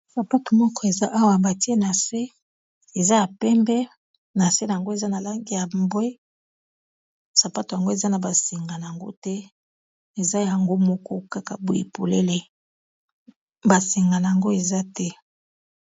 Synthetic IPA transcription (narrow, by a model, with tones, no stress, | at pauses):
sa˨pa˦to˨mɔ˦kɔ˦e˨za˦ʔa˦wa˨ba˨ti˦e˦na˨se˦ | e˨za˦ja˨pɛ˦mbɛ˦ | na˨se˦na˨a˨ŋɡo˦e˨za˦na˨la˦ŋɡi˦ja˨mbe˦ | sa˨pa˦to˨ja˨ŋɡo˦e˨za˦na˨ba˨se˨ŋɡa˨na˨ja˨ŋɡo̰˦tɛ˦ | e˨za˦ja˨ŋɡo˦mɔ˦kɔ˦ka˦ka˨bo˨ji˨po˨le˦le˦ | ba˨se˨ŋɡa˨na˨ja˨ŋɡo˦e˨za˦tɛ˦